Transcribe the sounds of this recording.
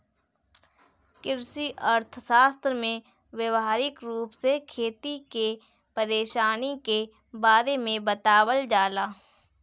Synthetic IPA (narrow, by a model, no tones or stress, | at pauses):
kɪɾsiʔəɾt̪ʰsaːst̪ɾmẽ | wjəʋaːɾɪkɾuːpsekʰeːt̪ike | pəɾeːʃaːnike | baːd̪emẽbət̪aːwəld͡ʒaːlaː